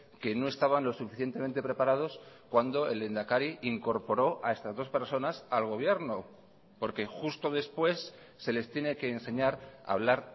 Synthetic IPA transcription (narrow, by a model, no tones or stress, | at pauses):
ke̞no̞e̞st̪aβanlo̞sːufiθjent̪e̞ment̪epɾe̞paɾað̞o̞skwand̪o̞e̞̰lend̪akaɾiʔiŋko̞ɾpo̞ɾo̞ʔae̞st̪azðo̞spe̞ɾso̞nasalɣ̞o̞β̞je̞ɾno | po̞ɾke̞xust̪o̞ðe̞spwe̞sː | e̞le̞st̪jene̞ke̞ːnse̞ɲaɾa̰β̞laɾ